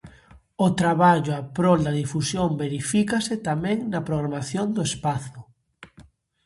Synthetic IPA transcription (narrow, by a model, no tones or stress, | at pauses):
ʊt̪ɾaβaʎʊapɾold̪ɐðifusjombeɾifikaset̪amɛ̃ŋnɐpɾoɣɾamaθjond̪ʊespaθʊ